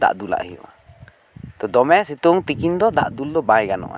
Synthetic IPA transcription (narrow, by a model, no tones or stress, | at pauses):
d̪a̰ʔd̪ula̰ʔhijɔ̰ʔa | t̪ɔd̪ɔmɛsit̪uŋt̪ikind̪ɔd̪a̰ʔd̪uld̪ɔbajɡanɔ̰ʔa̰